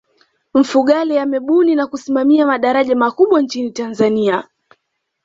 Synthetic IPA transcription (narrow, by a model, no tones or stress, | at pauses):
m̩fuɠalɛjamɛɓuninakusimamiamaɗaɾaʄamakuɓwant͡ʃinitanzania